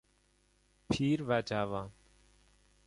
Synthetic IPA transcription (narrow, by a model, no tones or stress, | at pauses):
pʰiːɾʋaːd͡ʒaːʋaː